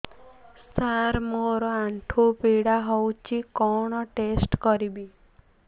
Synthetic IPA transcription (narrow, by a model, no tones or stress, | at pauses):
st̪ʰaɾmoɾɔaɳʈʰopiɽaɦowt͡ʃʰikɔɽ̃ɔʈesʈkɔɾibi